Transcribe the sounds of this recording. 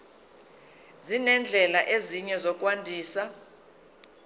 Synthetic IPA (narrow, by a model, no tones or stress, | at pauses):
zinɛnd͡ɮʱɛlaʔeziɲɛzɔk̬ʼwandʱiːsa